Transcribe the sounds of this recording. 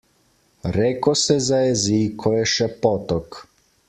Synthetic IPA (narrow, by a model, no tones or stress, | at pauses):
ɾɛkosɛzajɛzikʰoɛʃɛpɔt̪ɔk